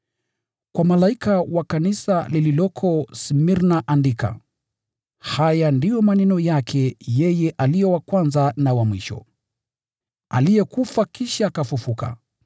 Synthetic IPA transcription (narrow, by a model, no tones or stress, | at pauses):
kwamalaikawakanisalililɔkʰɔsmiɾnaʔandika̰ | hajandijɔmanɛnɔjakʰɛjɛjɛʔalijɔwakwanzanawamwiʃɔ̰ | a̰lijɛkufakiʃaːkafufuka̰